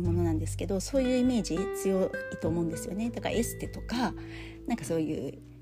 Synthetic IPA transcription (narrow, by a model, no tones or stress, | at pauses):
mo̞no̞nãnd̪e̞sɨ̥ke̞d̪o̞so̞ːjɯ̟ːime̞ːʑit͡sɨjo̞it̪o̞ːmõ̞nd̪e̞sɨjo̞ne̞t̪oka̰ʔe̞sɨ̥t̪e̞t̪o̞ka | nãŋkaso̞ːjɯ̟̰ː